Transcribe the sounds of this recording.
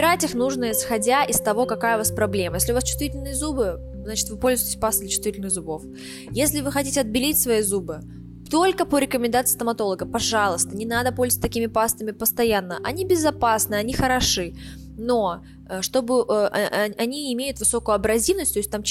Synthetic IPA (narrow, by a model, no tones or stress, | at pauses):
ɪɾatʲɪxnuʐnəɪsxɐdʲaʔɪst̪ɐvo̞kɐkajəʊvaspɾɐblʲe̞məjesʲlʲʊvast͡ɕʊ̥st̪vʲitʲɪlʲnɨjəzubɨ | zat͡ɕɪ̥t̪vɨpolʲzʊjɪtʲɪsʲpast̪əd̪lʲɪt͡ɕʊ̥st̪vʲitʲɪlʲnɨxzʊbo̞f | jesʲlʲɪvɨxɐtʲitʲɪɐd̪̚bʲɪlʲitʲsvɐjizubɨ | t̪o̞lʲkəpəɾʲɪkəmʲɪ̃nd̪at̪sɨ̥st̪əmɐt̪o̞lˠəɡəpɐʐalˠəst̪ənʲɪnad̪əpolʲzət̪sʲt̪ɐkʲimʲɪpast̪əmʲɪpəst̪ɐjanːəʔɐnʲibʲɪzɐpasnɨɐnʲixəɾɐʂɨ | no̞ | ʂt̪o̞bɨʔəɐnʲiɪmʲejʊt̪vɨso̞kʊjʊɐbɾɐzʲivnəsʲtʲt̪oɪsʲt̚ʲt̪am